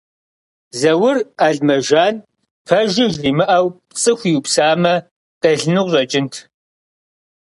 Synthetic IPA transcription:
zɐwʊraːɮmɐʒaːn | pʰɐʒɪʒɮiːmɨʔɐwpt͡sʼɨxʷiwpsaːmɐ | tʼɐɮnɨʁʷʑʷʼɐt͡ʃʼɪntʰ

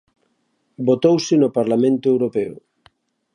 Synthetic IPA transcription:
bot̪owsɪnʊpaɾlamẽnt̪oewɾopɛʊ̰

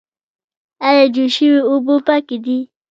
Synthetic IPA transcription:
ajad͡ʒuʃiwiubopakidi

